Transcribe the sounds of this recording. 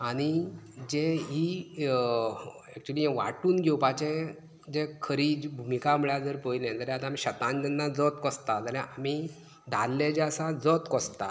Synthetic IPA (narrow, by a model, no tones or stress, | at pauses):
aɽ̃id͡ʑẽɦi | ɛk̚t͡ɕuliːɛ̃ʋa̰ʈuːnɡʱɛwpat͡ɕẽ | d͡ʑekʰəɾiːd͡ʑbʱumikaməɭjad͡zəɾpəjlẽd͡z̪əɾjãat̪ãmiɕət̪ãnd͡ʑənːad͡zɔt̪kɔst̪ad͡z̪əɾjãʔami | d̪ʱalːed͡ʑeəsad͡zɔt̪kɔst̪a